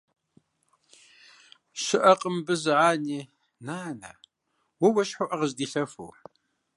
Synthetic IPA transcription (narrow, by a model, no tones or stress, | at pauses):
ʃɪʔɐqʼəmbɨzɨʕaːniː | naːnɐ̰ | wɐwɐʃħoʔɐʁəzdiːɬɐfṵː